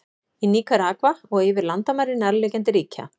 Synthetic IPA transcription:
iniːkaɾaːkvaɔɣɪvɪɾlant̪amaɾɪnɛɾlɛːcɛnt̪̬ɪɾiːcʰa̰

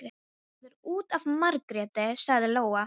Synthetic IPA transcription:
ɾ | ðɪɾuːt̪avmaɾkɾɛːt̪ɪsaɣðɪloːwa

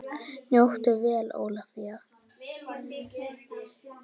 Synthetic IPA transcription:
njowht̪ʏvɛːlo̰ːwlafia

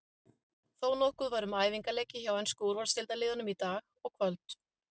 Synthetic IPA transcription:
θoːwnɔhkʏðvaɾʏmaːjviŋkalɛjcɪçawɛjnskowɾvaɾ̥st̪ɪlt̪alɪːðanʏmit̪aːɣɔɣkʰvœlt̪

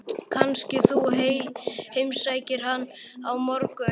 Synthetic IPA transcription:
kʰanscɪθuɦejhejmsaːjcɪɾ̥ɦanː | awmɔɾkʏ

